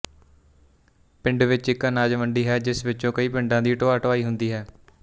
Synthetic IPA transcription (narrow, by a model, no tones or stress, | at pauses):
pɪ̃ɳɖʋɪt͡ʃɪkənaːd͡ʒʋəɳɖiːɦɛːd͡ʒɪsʋɪt͡ʃõːkəiːpɪ̃ɳɖãːd̪iːʈoːaːʈʋaːiːɦʊnd̪iːɦɛː